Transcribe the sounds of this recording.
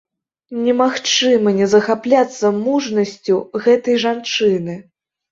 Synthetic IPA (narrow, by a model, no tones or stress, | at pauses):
nʲɛmaxt͡ʂɨmɐnʲɛzɐxaplʲat̪sːɐmuʐnɐsʲt͡sʲuɣɛt̪ɐjʐant͡ʂɨnɨ